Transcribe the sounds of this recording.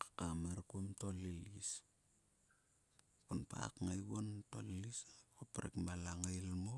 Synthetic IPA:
kḁkamaɾkuomto̞lilis | kunpa̰kŋajβonto̞̰lliskopɾḛkmalaŋajlmo

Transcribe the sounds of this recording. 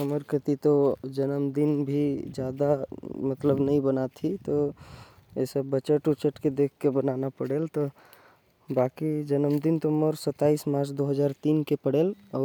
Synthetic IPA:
əməɾkət̪it̪od͡ʒənəmd̪inbʱid͡ʒjad̪amət̪ləbnəĩbənat̪ʰit̪ɔ | esəbːət͡ʃəʈut͡ʃəʈked̪ekʰkebənanapəɽelt̪ɔ | bakid͡ʒənəmd̪int̪oməɾsət̪ːaismaːɾt͡ʃʰd̪oɦəd͡ʒaɾt̪inkepəɽelɔː

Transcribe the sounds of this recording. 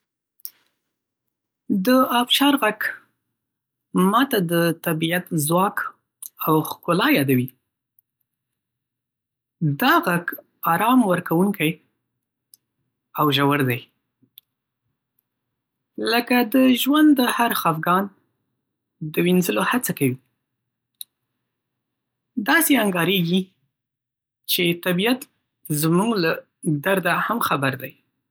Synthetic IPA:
d̪əɑfʃɑɾɣaɡ | mɑt̪ad̪ət̪abiat̪zwɑk | awxkʊlɑjɑd̪awi | d̪ɑɣaɡ | ɑɾɑmwəɾkawuŋkaj | awʒawəɾd̪aj | ləkad̪əʒwand̪əhaɾxɑfɡɑn | d̪əwinzəlohat͡sakawi | d̪ɑseaŋɡɑɾeɡi | t͡ʃet̪abijat̪ | zmuɡla | d̪aɾd̪ahamxabaɾd̪aj

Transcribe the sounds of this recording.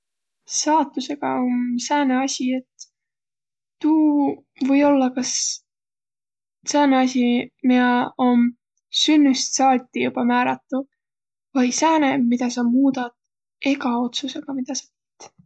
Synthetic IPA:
sɑːt̪ːˑuse̞ɡ̥ɑomsæːneɑsʲie̞t̪ː | uː | vɤ̞jo̞lːɑkɑs | sæːneɑsʲimiɑom | synːust̪sɑːt̪ʲːˑijub̥ɑmæːɾɑt̪ːˑu | vɑjsæːnemid̪̥ɑsɑmuːd̪ɑd̪̥ | e̞ɡɑo̞t̪suseɡ̥ɑmid̪̥ɑsɑ̥pi̥t̪

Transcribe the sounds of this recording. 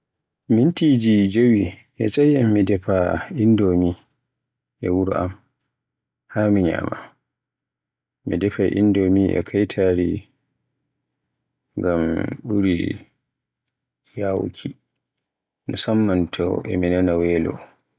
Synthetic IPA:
mintid͡ʒid͡ʒowi | ʔɛt͡ʃʼajamːidɛpaʔindomi | ʔɛwuɾa̰m | hamiɲa̰ma̰ | midɛpaʔḭndomiʔɛ̰kʰajtʰaːɾi | ŋɡamɓuɾḭ | jawkʰi | nusamːantʰɔ̰ʔɛ̰minanawɛlɔ̰

